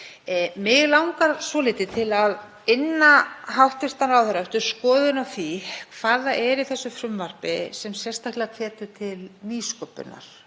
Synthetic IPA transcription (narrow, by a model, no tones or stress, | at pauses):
mɪɣlawŋkaɾsɔːlɪːt̪ɪt̪ʰɪlað | ɪnːaɦawht̪vɪst̪anawθœɾaɛft̪ʏɾ̥skɔːðʏnaθikʰv̥aːðaʔɛɾɪθɛsːʏfɾʏmvar̥pɪ̰sɛmsjɛ̥st̪ahklɪɣakʰɛːt̪ʏt̪ʰɪlniːskɔpʏ̰na̰ɾ̥